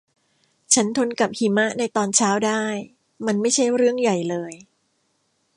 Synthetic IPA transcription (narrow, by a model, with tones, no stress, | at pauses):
t͡ɕʰa˦˥nt̪ʰo˧nka˨˩p̚hi˩˦ma˦˥ʔna˧jt̪ɔː˧nt͡ɕʰaː˦˥wdaː˥˩j | ma˧nma˥˩jt͡ɕʰa˥˩jɾɯ˥˩əŋja˨˩jlɤː˧j